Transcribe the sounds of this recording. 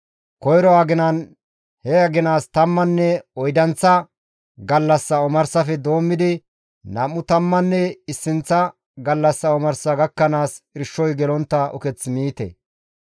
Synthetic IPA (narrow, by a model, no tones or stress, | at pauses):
kɔjɾɔaɡɪnɐn | hɛɐɡɪnaːst̪ɐmːɐnːɛɔjd̪ɐnt͡sːɐ | ɡɐlːɐsːɐɔmɐɾsɐfɛd̪o̞ːmːɪd̪ɪ | nɐmːʊt̪ɐmːɐnːɛɪsːɪnt͡sːɐ | ɡɐlːɐsːɐɔmɐɾsɐɡɐkːɐnaːsɪɾʃːɔjɡɛlɔnt̪ːɐʔɔ̰kɛt͡smiːt̪ɛ̰